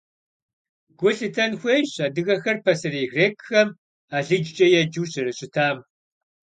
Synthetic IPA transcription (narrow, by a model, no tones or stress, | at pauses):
ɡ̥ʷʊɬɨtʰɐnxʷeːɕaːdɨɣɐxɐrpʰɐsɨriːɣreːkʼxɐm | aːɮɨd͡ʒt͡ʃʼɐjɛd͡ʒuːɕɐɾɨɕʼɪtʰaːm